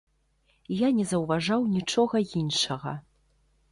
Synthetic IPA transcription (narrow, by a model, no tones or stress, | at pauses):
janʲɛzɐwvaʐawnʲit͡ʂɔɣɐinʂɐɣɐ̰